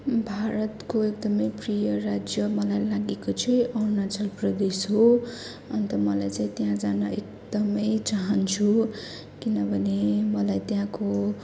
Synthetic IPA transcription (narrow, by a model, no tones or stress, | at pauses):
bʱaɾʌt̪koek̚d̪ʌmʌjprijʌrad͡zjʌmʌlajlaɡekot͡sʰʌjʔʌrnat͡sʌlprʌd̪esɦo | ʌnt̪ʌmʌlajt͡saĩt̪jãd͡zanʌʔekd̪ʌmʌjt͡saɦʌnt͡sʰu | kinʌbʱʌnemʌlajt̪jãko